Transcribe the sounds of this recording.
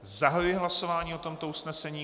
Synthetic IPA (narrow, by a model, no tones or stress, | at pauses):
zaɦajujɪɦlaso̞vaːɲiːot̪o̞mt̪o̞usnɛsɛɲiː